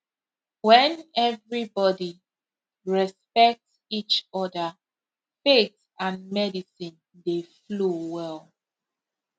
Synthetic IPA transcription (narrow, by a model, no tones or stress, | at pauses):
wɛ̃nɛvɹibɔdi | ɹɛspɛk̚t | it͡ʃɔdə | fet | ãnmɛdisĩn | deflowɛl